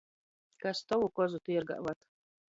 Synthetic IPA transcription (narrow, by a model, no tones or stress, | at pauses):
kast̪ɔwukɔzut̪uɛɾɡa̰ʔvat̪